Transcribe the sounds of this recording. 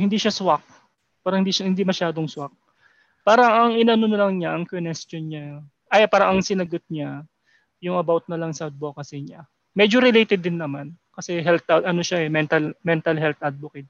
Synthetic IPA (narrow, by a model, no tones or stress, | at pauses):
hɪnd̪iʃɐswak̚ | paːɾɐŋhɪnd̪iʃɐhɪnd̪imɐʃaːd̪o̞ŋswak̚ | paːɾɐŋʔɐŋʔɪnanonɐlɐŋɲaʔɐŋkonɛst̪onɲa | ʔajapaːɾɐʔɐŋsɪnɐɡot̪̚ɲa | jʊŋɐbawt̪̚nɐlɐŋsɐwd̪̚bokɐsɪɲa | mɛd͡ʒoɾɪlejt̪ɛd̪ːɪnːɐmankɐsɛɦɛlt̪ad̪ɐno̞ʃaʔɛmɛnt̪ɐlmɛnt̪ɐlɦɛlt̪ɐd̪̚bokɪd̪̚